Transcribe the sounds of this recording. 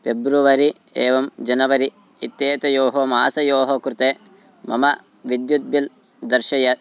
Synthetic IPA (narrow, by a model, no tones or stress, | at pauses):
pebɾuʋɐɾi | eːʋɐmd͡ʒɐnɐʋɐɾi | it̪jeːt̪ɐjoːɦoːmaːsɐjoːɦokɾut̪eː | mɐmɐ | ʋid̪jud̪̚bil | d̪ɐɾʃɐjɐ